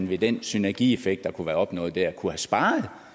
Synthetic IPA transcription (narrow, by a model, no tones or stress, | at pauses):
n̩ʋe̝d̥ensynæɐɡ̥ḭe̝feɡ̥̚d̥ɑ̈kʰuʋæːɐɒ̽b̥nɔ̰̽ːð̩ˠd̥æɐ̰kʰuhæsb̥ɑ̈ːð̩ˠ